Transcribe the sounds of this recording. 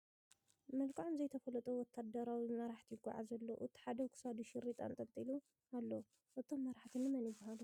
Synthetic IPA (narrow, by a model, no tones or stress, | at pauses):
mɐlkʼaʕomzɐjt̪ʰɐfɐlɐt̪ʼowɔt̪ʰːad̪ɐɾawimɐɾaħt̪ʰijɪɡʼːa̰ʕa̰zɐlːoʔɨt̪ʰi̥ħad̪ɐkʰu̥sad̪uʃɪɾit̪ʼa̰nt̪ʼɐmt̪ʼilu | alːo | ʔɨt̪ʰomːɐɾaħt̪ʰinɨmɐnjɪbɨhalu